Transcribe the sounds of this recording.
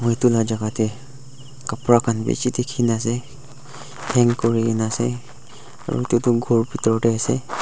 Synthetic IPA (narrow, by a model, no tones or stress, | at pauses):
mɔitulad͡ʒaɡatɛ | kapɹakʰanbḛt͡ʃitikʰinasɛ | hɛŋkɔɹiinasɛ | a̰ɹṵitutʊɡʱɔɹpitɹɔtɛasɛ